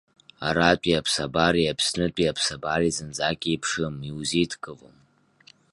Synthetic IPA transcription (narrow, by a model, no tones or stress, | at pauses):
a̰ɾatʷʼiapʰsabaɾiapʰsnɨtʷʼiapʰsabarizɨnd͡zaːkʲʼiːpʰʂɨmiwzitʰɡʼɨvo̰m